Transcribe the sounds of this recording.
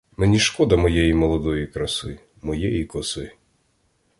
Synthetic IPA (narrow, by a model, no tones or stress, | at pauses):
mɛnʲiʃkɔd̪ɐmɔjɛjimɔlˠɔd̪ɔjikɾɐsɪ | mɔjɛjikɔsɪ